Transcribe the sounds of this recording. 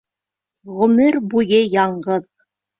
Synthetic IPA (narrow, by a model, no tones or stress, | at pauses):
ʁɵ̆mɘɾbujɘjɑɴɢɤð